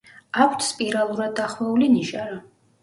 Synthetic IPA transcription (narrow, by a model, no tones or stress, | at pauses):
akʰt̪ʰspʼiɾalˠuɾad̪̚ːaχmauliniʃaɾa